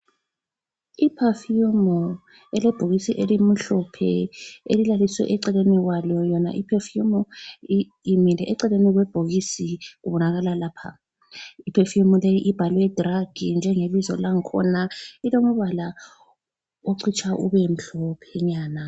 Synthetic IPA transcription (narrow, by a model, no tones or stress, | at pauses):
ipʰafjumɔ | ɛlɛb̥ʱoɣisiʔelim̩ɬɔpʰɛ̰ḛlilaliswɛ̰ʔɛǀɛleniɣwalɔjɔna̰ʔipʰefumɔ | imilɛʔɛǀɛleniɣwɛb̥ʱoɣisiuβɔnaɣalalaːpʰa̰ | ipʰefiumɔlejiʔib̥ʱalwɛd̥raɡ̥ʱind͡ʒʱɛŋelizɔ̰laŋ̩kʰɔ̰nailoŋɔβala | oǀʰit͡ʃʰʼaʔuβɛm̩ɬɔpʰɛɲaːna